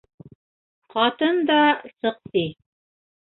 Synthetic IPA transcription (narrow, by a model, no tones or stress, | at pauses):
qɑt̪ɤnd̪ɑsɤ̆qsi